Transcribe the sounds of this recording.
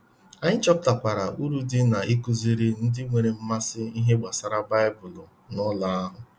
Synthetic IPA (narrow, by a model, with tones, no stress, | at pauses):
a˨ɲɪ˦t͡ʃɔ˦pta˨pʷa˨ɾa˨u˦ɾu˦dɪ˦na˨ʔi˦ku˦zi˦ɾɪ˦n̩˦dɪ˦ŋʷe˨ɾe˨m̩˦ma˦sɪ˦i˦ɦe˦ɡ͡ba˨sa˨ɾa˦ba˦ɪ˦bʊ˨lʊ˨ | nʊ˦la˦a˦ɦʊ˨